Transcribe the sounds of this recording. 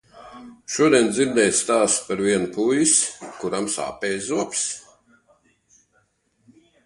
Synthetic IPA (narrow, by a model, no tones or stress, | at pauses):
ʃuɔd̪iɛnd̪ziɾd̪ɛːj̪st̪aːspaɾviɛnupʰujiskuɾamsa̰ːpɛːzzuɔps